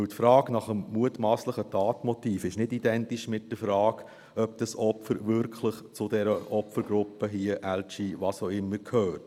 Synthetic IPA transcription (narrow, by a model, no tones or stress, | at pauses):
ɵwtfɾɑːɡnɑχəmmuətmɑːsləχətʰɑːtmɔtiːfɪʃnɪdidɛntiʃmɪt̚d̥əfɾɑːɡ | œpd̥ɑsɔpfəɾʋʏɾkʰχləχt͡sʊdɛɾəʔɔpfəɾɡ̥ɾʊpːəɦiəʔælt͡ʃiʋɑːsoʊɪmːəɾkʰhœːt